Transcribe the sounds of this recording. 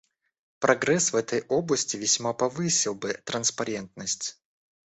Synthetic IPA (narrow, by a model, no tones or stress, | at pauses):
pɾɐɡɾɛsvɛt̪əjoblˠəsʲtʲɪvʲɪsʲmapɐvɨsʲɪlˠbɨt̪ɾənspɐɾʲent̪nəsʲtʲ